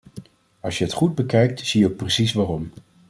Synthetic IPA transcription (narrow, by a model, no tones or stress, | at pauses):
ɑ̰lˠsjəɦətχud̚bəkɛjk̚tz̥ijəowk̚prəsisʋaːrɔm